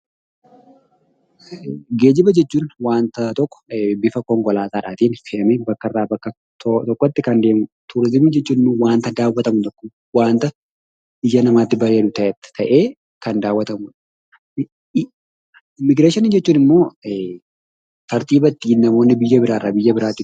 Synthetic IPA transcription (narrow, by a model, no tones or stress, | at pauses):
ɡeːd͡ʒɪbɐd͡ʒɛt͡ʃːuːnwaːnt̪ɐt̪ɔkːɔ̥bɪfɐkɔŋkɔlaːt̪aːᶑaːt̪iːnfɪɐmebɐkːɐrːaːbɐkːɐ | t̪t̪ɔkːɔt̪ːɪkɐnd̪e̞ːmʊ | t̪ʊɾɪzɪmɪd͡ʒɛt͡ʃːuːnnʊwaːnt̪ɐd̪aːwɐt̪ɐmʊt̪ɔkːʊ | waːnt̪ɐ | ɪd͡ʒɐnɐmaːt̪ːɪbɐɾe̞ːᶑʊt̪ɐʔɛt̪ːɪ̥t̪ʰɐʔe̞ː | kɐnd̪aːwːɐt̪ɐmʊᶑ | ɪmːɪɡɾeːʃɪnɪd͡ʒɛt͡ʃːuːnɪmːo̞ː | t̪ɐɾt̪iːbɐt̪ːiːnːɐmo̞ːnːɪbɪjːɐbɪɾaːrːaːbɪjːɐbɪɾaːt̪ːɪ